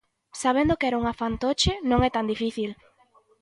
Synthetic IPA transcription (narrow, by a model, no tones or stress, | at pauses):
saβ̞end̪okɛɾauŋafant̪ot͡ʃɪnõŋɛt̪and̪ifiθil